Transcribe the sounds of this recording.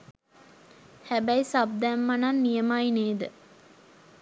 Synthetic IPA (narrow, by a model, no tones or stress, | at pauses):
hæbæjsab̚d̪æmːananːijəmaineːd̪ə̰